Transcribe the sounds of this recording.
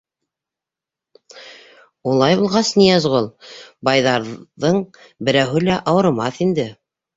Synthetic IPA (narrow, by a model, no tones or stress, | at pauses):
ulˠɑjbulˠʁɑsnijæzʁolˠbɑjðɑɾðɤɴ | bɘ̆ɾæwɦɘlæʔɑwɤ̆ɾmɑθind̪ɘ